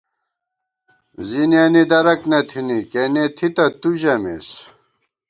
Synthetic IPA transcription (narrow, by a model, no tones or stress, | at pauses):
zinjanid̪ɐɾɐknɐt̪ʰinikenet̪ʰit̪ɐt̪uʑɐmḛs